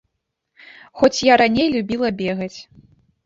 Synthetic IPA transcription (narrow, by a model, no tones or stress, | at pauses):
xɔt͡sʲjaɾanʲejlʲubʲilˠɐbʲɛɣɐt͡sʲ